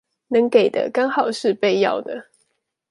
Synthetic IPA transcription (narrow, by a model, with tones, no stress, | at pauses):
nə˨˦ŋke˨˩ɪd̪ə̰˦kɑ˥ŋxɑ˨˩ʊʂɻ̩˥˧pe˥˧ɪjɑ̰˥˨ʊd̪ə̰˦